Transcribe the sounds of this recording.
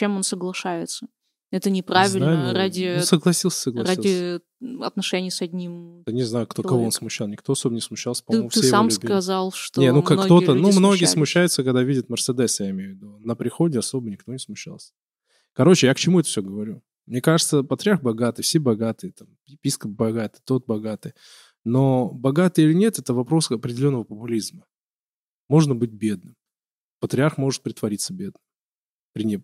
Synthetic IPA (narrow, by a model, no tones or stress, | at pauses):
t͡ɕemonsəɡlˠɐʂajɪt̪sə | ɛt̪ənʲɪpɾavʲɪlnajradʲɪonsəɡlˠɐsʲilˠsʲə̥səɡlˠɐɾsadilʲˠɪ | ɐ̰t̪nɐʂɛnʲɪjsɐdʲnʲimt̪ɨnʲɪznajʊkt̪okɐvoonsmʊɕːalˠnʲɪkt̪oɐso̞bənʲɪsmʊɕːalˠsʲə̥pɐmfʲeamskɐzalˠʂt̪onenuknɡ̪t̪o̞t̪ənumno̞ɡʲɪjəsmʊɕːæjʊt̪səkɐɡd̪avʲidʲɪt̪mʲərsəd̪ɛsjaɪmʲejʊvʲɪd̪unəpɾʲɪxodʲɪɐso̞bənʲɪkt̪o̞nʲɪ̥smʊɕːa̰lˠsʲə̥ | kɐɾo̞t͡ɕɪjakt͡ɕɪmuɛt̪ə̥fsʲoɡəvɐɾʲu | mnʲe̞kaʐɨt̪səpət̪ɾʲɪarxbɐɡat̪ɨjfsʲe̞bɐɡat̪ɨjət̪am | ɪpʲiskəp̚bɐɡat̪ɨjt̪o̞t̪̚bɐɡat̪ɨj | nobɐɡat̪ɨjilʲɪnʲe̞t̪ɛt̪əvɐpɾo̞sɐpɾʲɪdʲɪlʲonːəvəpəpʊlʲizmə | mo̞ʐnəbɨt̚ʲbʲe̞d̪̚nɨm | pət̪ɾʲɪarxmo̞ʐɨt̪̚pɾʲɪt̪vɐɾʲit̪sːəbʲe̞d̪nəmm | pɾʲɪnʲe